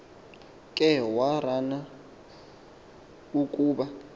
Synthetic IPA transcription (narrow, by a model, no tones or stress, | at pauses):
kʼɛwarana | ukʼuːɓa